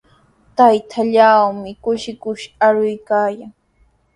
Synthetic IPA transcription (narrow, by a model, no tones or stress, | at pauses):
t̪ajt̪ʰaʎawmɪkʊʃɪkʊʃaɾʊjkaːjaŋ